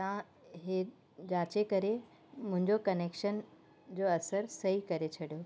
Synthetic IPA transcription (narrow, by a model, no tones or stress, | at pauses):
t̪ã | ɦe | d͡ʑaːt͡ɕekɐɾe | mʊ̃ɦɪ̃ɲd͡ʑokɐneːkʃən | d͡ʑoːɐsəɾsɐɦikɐɾet͡ɕʰɐɽijo